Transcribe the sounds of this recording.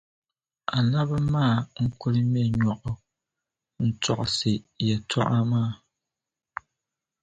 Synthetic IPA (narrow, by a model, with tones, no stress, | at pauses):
a˨la˦bɛ˦maː˦˨ŋ̩˦ku˦ɾi˦mɛ˦˨ɲɔ˨ʔɔ˨ | n̩˨t͡sa̰˦˨ʔse˨jɛ˨twa̰˦ʔa˦maː˦˨